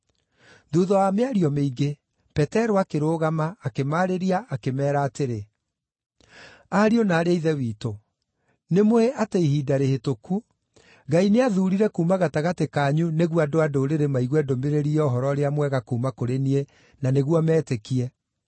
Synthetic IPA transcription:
duðɔameaɾiɔmeiɡe | pɛtɛɾoakeɾoːɣamaːkemaːɾeɾiaʔakemɛːɾaːteɾe | aɾionaːɾeaiðɛwiːto | nemoeʔateihiːdaɾehetoku | ɡaineaðuːɾiɾɛkuːmaɣataɣatekaːɲuneɣwadoadoːɾeɾemaiɣwɛdomeɾeɾiɔːɦɔɾɔɾeamwɛɣakuːmakoɾenie | naneɣwɔmɛːtekiɛ

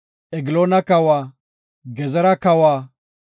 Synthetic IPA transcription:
ʔɛɡɪloːnɐkɐwaː | ɡɛzɛɾɐkɐwaː

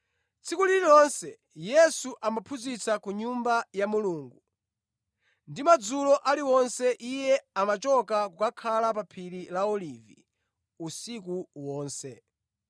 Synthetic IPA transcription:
t͡sʰikuliɾilɔnsɛ | jɛsuʔamapʰuzit͡sakuɲumbajamuluːŋɡu | ndimad͡zulɔʔaliwɔnsɛʔijɛamat͡ʃɔkakukakʰalapapʰililaɔlivi | usik̬uwɔːnsɛ

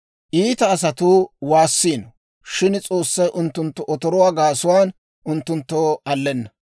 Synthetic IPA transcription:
ʔiːt̪ɐːs̬ɐt̪uːwaːsːiːnɔ | ʃɪnt͡sʼo̞ːsːɐjʔʊnt̪ːʊnt̪ːɔʔɔt̪ɔɾɔwaːɡaːsʊwaːn | ʔʊnt̪ːʊnt̪ːoːɐlːɛnːɐ

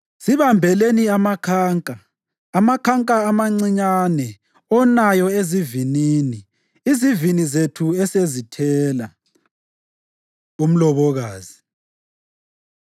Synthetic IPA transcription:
siβambʱɛleniamakʰaːŋkʼa | amakʰaŋkʼaːmaŋ͡ǀiɲanɛ | ɔnajɔeziviniːniː | zivinizetʰuɛsezitʰɛːla | um̩lɔβɔɣaːzi

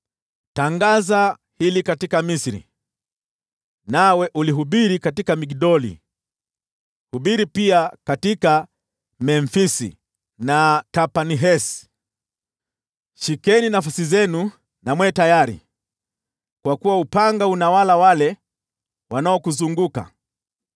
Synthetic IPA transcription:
taŋɡaza | hilikatikamisiɾḭ | nawɛʔuliɦuɓiɾikatikamikiɗɔlḭ | huɓiɾipiakatika | mɛɱfisḭ | natapaniɦɛs | ʃikɛninafasizɛnu | namwɛːtajaɾḭ | kwakuwaupaŋɡaunawalawalɛ | wanaɔkuzuŋɡuka̰

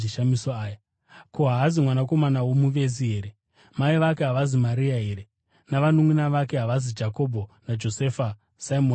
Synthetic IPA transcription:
iʃamisoaːja | koɦaɦazimwanako̞manawo̞muʋe̞ziɦeːɾe | maiʋak̬e̞ɦaʋazimaɾiaɦeːɾe | naʋanumwinaʋake̞ɦaʋazid͡ʒako̞bʱo̞nad͡ʒo̞sefa | saimon

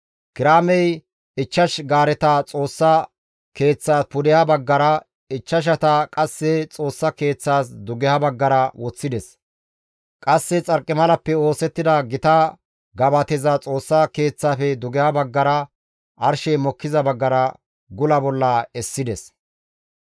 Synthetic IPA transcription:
kɪɾaːmɛj | ɪt͡ʃːɐʃɡaːɾɛt̪ɐt͡sʼo̞ːsːɐ | ke̞ːt͡sːaːspʊd̪ɛjɐbɐɡːɐɾɐ | ɪt͡ʃːɐʃ̬ɐt̪ɐkʼɐsːɛt͡sʼo̞ːsːɐke̞ːt͡sːaːs̬d̪ʊɡɛjɐbɐɡːɐɾɐwɔt͡sːɪd̪ɛs | kʼɐsːɛt͡sʼɐɾkʼːɪmɐlɐpːɛo̞ːsɛt̪ːɪd̪ɐɡɪt̪ɐ | ɡɐbɐt̪ɛzɐt͡sʼo̞ːsːɐke̞ːt͡sːaːfɛd̪ʊɡɛjɐbɐɡːɐɾɐ | ʔɐɾʃɛjmɔkːɪzɐbɐɡːɐɾɐ | ɡʊlɐbɔlːɐɛsːɪd̪ɛs

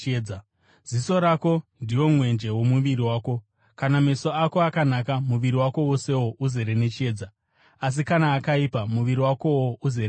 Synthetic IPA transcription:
a | z̥iso̞ɾaːko̞ndijo̞mwe̞nd͡ʒe̞wo̞muʋiɾiwaːko̞ | kaname̞so̞ako̞akanakamuʋiɾiwako̞wose̞wo̞ʔuze̞ɾenet͡ʃieːd͡za | as̬ikanaːkaipamuʋiɾiwako̞woʔuze

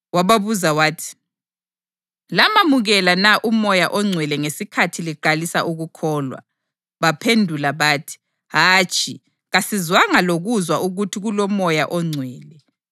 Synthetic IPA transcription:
waβaβuzawaːtʰi̥ | lamamuɣɛlanaʔumɔjaʔɔŋ͡ǀʱwɛlɛŋesikʰatʰiliǃalisaʔuɣukʰɔːlwa̰ | βapʰendʱulaβaːtʰi̥ | ɦat͡ʃʼi | ɣasizwaŋaloɣuzwaʔuɣutʰiɣulɔmɔjaʔɔŋ͡ǀʱwɛːlɛ

